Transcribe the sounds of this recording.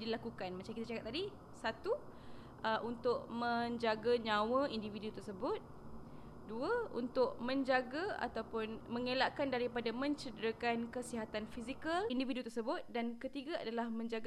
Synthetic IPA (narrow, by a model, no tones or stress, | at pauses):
dilakukanmat͡ʃamkit̪at͡ʃakat̪̚t̪ːadi | sat̪u | əʔunt̪ʊʔ̚mə̃ɲd͡ʒaɡaɲãwəindividut̪ərsəbʊt̪̚ | duəṵnt̪ʊʔ̚mə̃ɲd͡ʒaɡaa̰t̪awpʊnməŋelaʔkandaɾipadamə̃ɲt͡ʃədɾəkankəsiɦat̪anfizikəlindividut̪ərsəbʊt̪̚dankət̪iɡaa̰dalahmə̃ɲd͡ʒaɡ